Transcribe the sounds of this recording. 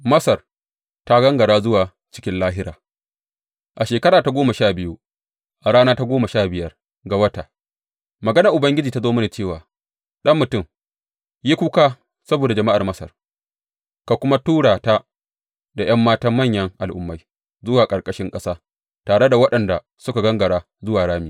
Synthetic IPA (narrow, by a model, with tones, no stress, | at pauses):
mɐ˦sɐ˨r | ta˦ɡɐ˦ŋɡɐ˨ɽaː˦zʊ˦waː˨ | t͡ʃɪ̥˦kʲɪ˦nlaː˦ɦɪ˦ɾaː˨ | ʔa˨ʃeː˨kɐ˦ɾaː˨ta˦ɡʷoː˦mɐ˨ʃaː˦˨bɪ˦ju˦ | ʔa˨ɽaː˦naː˦ta˦ɡʷoː˦mɐ˨ʃaː˦˨bɪ˨jɐ˦r | ɡa˨wɐ˦taː˨ | mɐ˨ɡɐ˦nɐ˨ʔʊ˨bɐ˦ŋɡʲɪ˦d͡ʒiː˨ta˦zoː˦mɐ˦na˨t͡ʃeː˦˨waː˨ | ɗɐ˦mːʊ˨tʊ˦˨m | ji˦kʷu˦kaː˦ | sɐ˦boː˨da˨d͡ʒɐ˨ma˦ʔa˨rmɐ˦sɐ̰˨r | ka˨kʷʊ˦ma˦tuː˦ɽaː˨ta˦ | da˨j̰ɐ˦mːaː˦tɐ˦mːɐ˦˨ɲjɐ˦ŋʔa˨lʔʊ˦mːa˦j | zʊ˦waː˨kʼɐ˨ɽkʼɐ˦ʃɪ˦ŋkʼɐ˦saː˦ | taː˨ɽe˦da˨wɐ˦ɗɐ˨nda˨ | sʊ˦ka˨ɡɐ˦ŋɡɐ˨ɽaː˦ | zʊ˦waː˨ɽaː˦miː˨